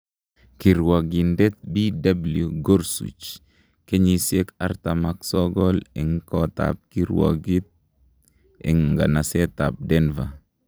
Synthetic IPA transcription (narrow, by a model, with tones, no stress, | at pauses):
ki˨ɾwa˨ɡi˨ndɛ˦t̪̚bi˦da˦bljuɡo˦ɾsṵ˨t͡ʃ | ke˦ɲi˨sje˦ka˦ɾt̪a˨ma˨ksɔ˦ɡɔ˦lɛ˨ŋkɔ˦t̪a̰˨p̚ki˦ɾwɔ̰˨ɡi˦t̪̚ | ɛ̰˨ŋŋɡa̰˨na˨sɛ˦t̪a˨p̚dɛ˦nva˨